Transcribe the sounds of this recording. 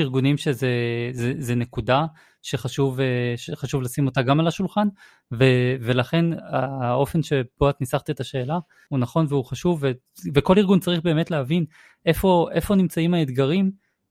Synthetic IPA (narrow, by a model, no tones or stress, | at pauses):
iʁɡunimʃezezezenekuda | ʃe̞χaʃuveʃeχaʃuvlasimo̞taɡamalaʃulχan | veve̞laχe̞nao̞fe̞nʃe̞b̥oat̪nisaχt̪etaʃe̞ːla | hunaχo̞nveuχaʃuvːe | veko̞liʁɡunt͡saʁiχbe̞ːmetleɦavin | ʔe̞fo̞ʔefo̞nimt͡saimaed̪ɡaʁim